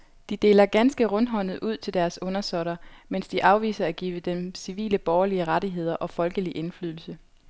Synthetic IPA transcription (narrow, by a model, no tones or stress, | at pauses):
d̥id̥e̝̰ːlɐɡ̥ænsɡ̥əʁɔ̽nɦɒ̽nð̩ˠʔuð̞̰ˠt͡sʰe̝ld̥æɐsɔ̽nɐsɒɾ̥ɐmen̰sd̥iʔɑ̈ʊʋḭːsɐæɡ̥iːʋəd̥emsiʋḭːləb̥ɒːɐliəʁɑɾiɦe̝ð̞̰ˠɐʔɒ̽fɒ̽lɡ̥əliʔe̝nflyðˠl̩sə